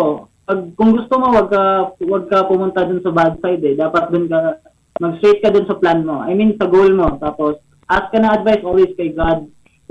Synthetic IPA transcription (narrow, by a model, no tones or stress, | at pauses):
o | pɐɡ̚kʊŋɡʊst̪omo̞wɐɡ̚kɐwɐɡ̚kɐpʊmʊnt̪ad̪ʊnsɐbad̪sajd̪ɛd̪aːpɐt̪̚d̪ʊnkɐ | mɐɡst̪ɾet̪̚kɐd̪ʊnsɐplanmo̞ʔɐ̰jminsɐɡolmo̞t̪aːpos | ʔas̚kɐnɐɐd̪̚vajsʔolweskɐjɡad̪̚